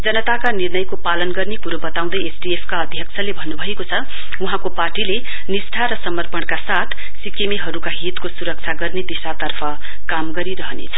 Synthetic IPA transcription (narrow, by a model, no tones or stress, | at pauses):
d͡zʌnʌt̪akanirnʌjkopalʌnɡʌrnekuɾobʌt̪aw̃d̪ʌjesɖiepʰkaʌd̪ʱjʌk̚t͡sʰʌlebʱʌnːubʱʌekot͡sʰʌ | uɦãkoparʈile | nisʈ̪ʰaɾʌsʌmʌrpʌɳkasat̪ʰ | sikemeɦʌɾukaɦit̪kosuɾʌk̚t͡sʰaɡʌrned̪isat̪ʌrpʰʌ | kamɡʌɾiɾʌɦʌnḛt͡sʰʌ̥